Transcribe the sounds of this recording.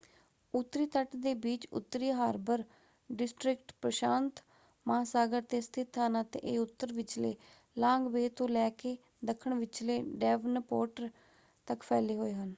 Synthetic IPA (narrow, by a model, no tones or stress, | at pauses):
ʊt̪ːɾiːt̪əʈd̪eːbiːt͡ʃʊ̰t̪ːɾiːɦaːɾbəɾ | ɖɪsʈɾɪkʈpɾəʃaːnt̪ | maaːsaːɡəɾt̪eːst̪ʰɪt̪ʰːaːnãːt̪ḛ̃ːʔeːʊt̪ːəɾʋɪt͡ʃlḛː | lãːŋɡbeːt̪õːlɛːkeː | d̪əkʰːəɳʋɪt͡ʃleːɖɛːʋnpoːʈəɾ | t̪əkpʰɛːleːɦoːeːɦən